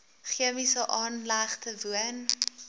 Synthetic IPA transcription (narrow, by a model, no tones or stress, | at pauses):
χiəmisəʔɑːnlæχtəvuən